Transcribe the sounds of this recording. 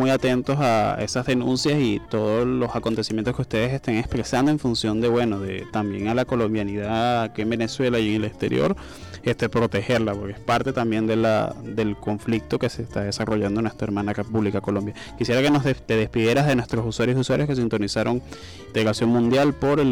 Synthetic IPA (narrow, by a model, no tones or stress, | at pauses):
mujat̪ent̪o̞sae̞sazðe̞nũnsjasit̪o̞ð̞oslo̞sako̞nt̪esimjent̪okeust̪e̞ð̞ese̞st̪eŋe̞spɾe̞sand̪oe̞ɱfunsjo̞nd̪e̞βwe̞no̞ðe̞̰t̪ambje̞̰ŋalako̞lo̞mbjaniðakembe̞ne̞swe̞lajeŋele̞kst̪e̞ɾjo̞̰ɾ | est̪epɾo̞t̪e̞xe̞ɾlapo̞ɾkeespaɾt̪e̞t̪ambje̞nd̪e̞la̰d̪e̞lko̞ɱflik̚t̪o̞ke̞se̞st̪aðe̞saro̞ʝand̪o̞nwet̪ɾaeɾmanarepuβlikako̞lo̞mbja | kisje̞ɾakenozt̪e̞ðe̞spiðje̞ɾaɦðe̞nwe̞st̪ɾo̞suswaɾjoðuswaɾjo̞ske̞s̬int̪o̞nisaɾʔo̞ŋ | t̪eɣɾasjo̞ŋmũnd̪jalpo̞ɾe